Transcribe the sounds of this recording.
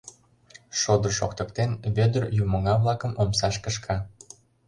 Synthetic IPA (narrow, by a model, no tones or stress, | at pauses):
ʃod̪ərʃo̰kt̪ə̆kt̪enβød̪ərjumɤ̆ŋɑβlɑkə̆momsɑʃkəʃkʰɑ